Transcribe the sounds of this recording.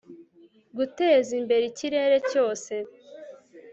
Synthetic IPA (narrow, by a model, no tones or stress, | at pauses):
ɡute̞ːzimbe̞ɾiciɾe̞ɾe̞co̞ːse̞